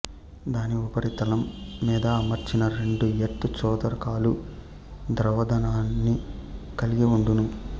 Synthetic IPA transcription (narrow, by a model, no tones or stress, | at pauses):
d̪aːniubɐɾit̪ɐlɐmːiːd̪ɐːmɐɾt͡ʃinɐɾe̞ɳɖueʈːut͡ʃɔːt̪ɐɾɐkaːlu | d̪ɾɐʋɐd̪ɐnaːnːi | kɐliɡiuɳɖunu